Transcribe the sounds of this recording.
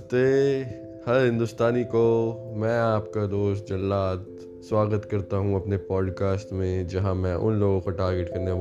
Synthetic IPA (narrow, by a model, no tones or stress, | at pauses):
t̪e | hɐɾɦɪ̃nd̪ʊst̪aːnikomɛ̃ːaːpkad̪oːsʈ̚d͡ʒɐlːaːt̪ | swaːɡət̪kɐɾt̪aɦũɐpnepaːɖkaːsʈmẽd͡ʒɐɦãmɛ̃ʔʊ̰nloːɡõkoʈaːɾɡeʈkɐɾne